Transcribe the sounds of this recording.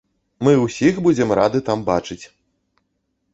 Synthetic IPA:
mɨwsʲixbud͡zʲɛmɾad̪ɨt̪ambat͡ʂɨt͡sʲ

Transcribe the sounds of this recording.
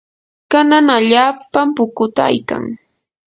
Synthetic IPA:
kananaʎaːpampʊkʊt̪aa̰jka̰ŋ

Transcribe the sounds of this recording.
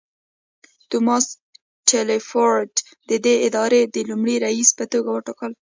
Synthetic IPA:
t̪umɑs | ʈʰelefoɾɖ | d̪̥əd̪eɪd̪ɑɾed̪əlumɽiɾaispət̪oɡawəʈɑkəl

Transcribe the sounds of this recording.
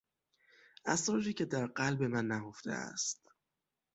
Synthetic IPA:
ʔæsɾɒːd͡ʒiːcʰe̞d̪æɾɢælbe̞mænːæɡo̞ft̪ḛæ̰st̪

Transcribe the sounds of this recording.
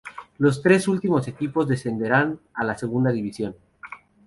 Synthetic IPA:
lo̞s̬t̪ɾe̞sult̪imo̞se̞kipo̞zðe̞sθe̞nd̪e̞ɾanalase̞ɣ̞und̪aðiβisjo̞n

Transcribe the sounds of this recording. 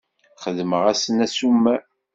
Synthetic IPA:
χəðməʁæsənæsumːæ

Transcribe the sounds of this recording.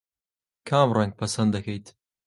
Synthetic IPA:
kʰaːmrɐŋɡ̚pʰɐsɐnd̪ɐkʰɐjt̪

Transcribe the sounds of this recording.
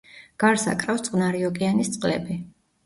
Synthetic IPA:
ɡ̥aɾsa̰kʼɾafst̪sʼqʼnaɾiɔkʼianist̪sʼqʼlɛ̰bi

